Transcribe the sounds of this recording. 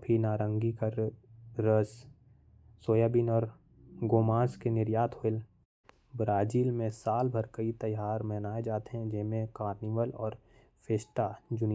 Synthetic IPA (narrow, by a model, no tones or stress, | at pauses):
pʰinaːɾə̃ŋɡikəɾː | əs | soːjaːbinɔːɾ | ɡoːmãːskenɪɾjaːt̪ʰoɪl | bɾaːd͡ʒiːlmẽsaːlbʱəɾkəit̪əjaːɾmɛɦnaːed͡ʒaːt̪eɦɛ̃d͡ʒɪmẽkaːɾniʋəlɔːɾ | pʰeːsʈad͡ʒʊni